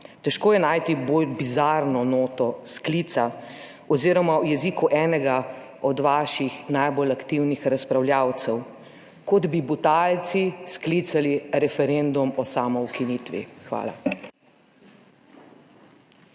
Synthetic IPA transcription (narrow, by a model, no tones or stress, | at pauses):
t̪ɛʃkoːjɛnaːjt̪ibolbizaɾnɔnoːt̪ɔskliːt̪sa | ɔziːɾɔmawjɛziːkuʔɛːnɛɡa | ɔd̪ʋaːʃixnajbolakt̪iwnixɾaspɾawlʲjaːwt̪sɛw | kɔd̪bibut̪alt̪sisklit̪saliɾɛfɛɾend̪umɔsaːmɔwkiniːt̪ʋḭxʋa̰ːla̰